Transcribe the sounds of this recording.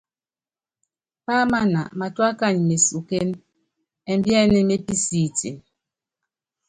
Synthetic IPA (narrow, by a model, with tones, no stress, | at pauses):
pa˦ma˦na̰˨ma˨twa˦ka˦˨ɲ˨me˨su˨ke˦n | ɛ˨m˦bjɛ˦nɛ˦me˦pi˦si˦˨tḭ˨n